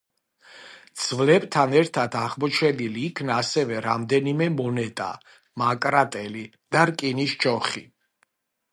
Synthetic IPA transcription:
d̪z̥vlɛbt̪ʰanɛɾt̪ʰad̪ʰaʁmɔt͡ʃʰɛniliːkʰnaːsɛvɛɾamd̪ɛnimɛmɔnɛt̪ʼa̰ | makʼɾat̪ʼɛli | d̪̥aɾkʼiniʃt͡ʃɔχḭ

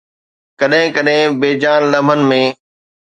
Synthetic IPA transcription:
kɐɗɦɪ̃kɐɗɦɪ̃beːd͡ʑaːnlɐmbʱənɪ̆mẽː

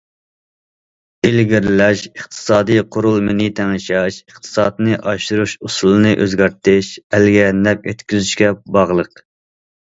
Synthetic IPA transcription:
ɪlɡʲiɾɪlɛʃəχt̪ʰɨ̥sɑːd̪ijqʰoɾʊlˠmɪnit̪ʰɛŋʃɛʃəχt̪ʰɨ̥sɑːt̪ɨnɨʔɑʃuɾuʃusulˠɨnɨʔøzɡʲɑɾt̪ɪʃɛlɡʲɛnɛkʲet̪kʲyzyʃkʲɛbɑʁlˠəq

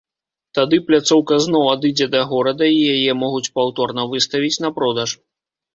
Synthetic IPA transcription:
t̪ad̪ɨplʲat̪sɔwkɐznɔwad̪ɨd͡zʲɛd̪ɐɣɔɾɐd̪ɐijajɛmɔɣut͡sʲpawt̪ɔrnɐvɨst̪ɐvʲit͡sʲnɐpɾɔd̪ɐʂ

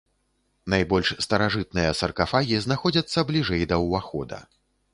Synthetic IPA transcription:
najbɔlʲʂst̪ɐɾaʐɨt̪̚nɨjɐsɐrkafaɣʲiznaxɔd͡zʲɐt̪sːɐblʲiʐɛjd̪ɐwvaxɔ̰d̪ɐ̰

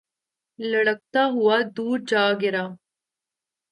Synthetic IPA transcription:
lɐɽək̚t̪aɦuad̪uːɾd͡ʒaːɡɪɾa

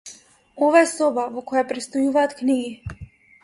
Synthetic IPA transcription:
ɔvaɛsɔbavɔkɔjapɾɛt̪st̪ɔjuvaːt̪kniɡi

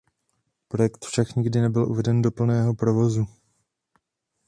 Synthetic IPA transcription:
pɾo̞jɛkt̪fʃakɲɪɡdɪnɛbɪlʔṵvɛdɛndopl̩nɛːɦo̞pɾo̞vo̞zu

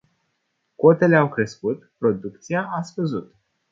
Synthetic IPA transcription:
ko̞t̪e̞le̞awkɾe̞skut̪pɾo̞d̪ukt̪siaʔasfəzut̪

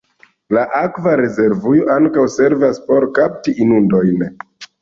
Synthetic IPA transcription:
laʔakvaɾe̞ze̞ɾvujoʔaŋkawse̞ɾvaspo̞ɾkap̚tiinundo̞jn

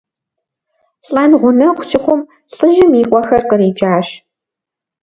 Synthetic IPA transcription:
ɬʼɐnʁʷʊnɐχʷʊt͡ʃʰʼɪχʷʊm | ɬʼɨʒɪmiːʔʷʼɔxɐrqʼəriːd͡ʒaːɕ

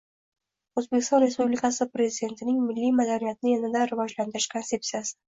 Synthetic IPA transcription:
ozbekʲɪst̪ɒnɾe̞spublikʰasɪpɾe̞zɪd̪ʲe̞nt̪ʰɪnɪŋmɪlːijmad̪anijat̪ʰɪnɪenɪd̪aɾɪvɒd͡ʒlant̪ɪɾɪʃkʰonse̞pt̪sijasɪ̥

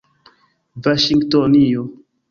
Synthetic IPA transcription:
vaʃiŋɡtonio

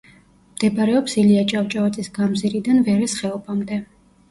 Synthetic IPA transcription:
md̪ɛbaɾɛɔpsiliat͡ʃʼavt͡ʃʼavat̪sʼisɡamziɾid̪anvɛɾɛsχɛɔbamd̪ɛ

